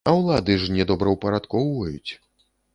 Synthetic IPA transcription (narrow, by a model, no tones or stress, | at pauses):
ɐwlˠad̪ɨʐnʲɛd̪ɔbɾɐwpɐɾat̪kɔwvɐjṵt͡sʲ